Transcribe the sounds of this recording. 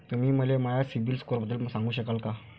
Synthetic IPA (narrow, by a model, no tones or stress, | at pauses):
t̪um̤iːməleməjasibilskoɾbəd̪ːəlməsãŋɡuːɕəkalka